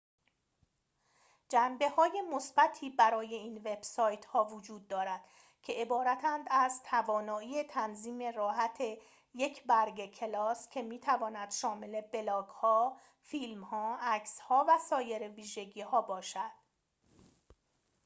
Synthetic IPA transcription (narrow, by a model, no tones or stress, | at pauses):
d͡ʒæmbe̞hɒːje̞mosb̥æt̪ʰiːbæɾɒːje̞iːnve̞b̥sɒːjt̪hɒːvod͡ʒuːd̪̚ːɒːɾæd̪̥ | cʰe̞ʔebɒːɾæt̪ʰænd̪æzt̪ʰævɒːnɒːiːet̪ʰænziːme̞rɒːɦæt̪ʰe̞ | je̞cʰbæɾɡecʰe̞lɒːscʰe̞miːt̪ʰævɒːnæd̪̥ʃɒːme̞le̞be̞lɒːɡ̥hɒː | fiːlmhɒːæcshɒːvæsɒːje̞ɾeviːʒe̞ɟiːhɒːbɒːʃæd̪̥